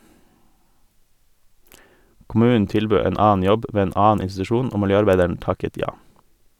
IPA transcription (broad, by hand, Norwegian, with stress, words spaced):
kʊˈmʉːnn̩ ˈtɪlbøː ˈeːn ˈɑːn̩ ˈjɔb ˈʋeː ˈeːn ˈɑːn̩ ɪnstʉˈʃuːn ˈoː mɪlˈjøːɑɾˌbæɪdəɳ̩ ˈtɑkət ˈjɑː